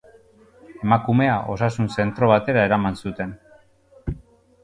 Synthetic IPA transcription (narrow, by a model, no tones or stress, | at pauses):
e̞makume̞aʔo̞sasunse̞nt̪ɾo̞β̞at̪e̞ɾae̞ɾamansut̪e̞n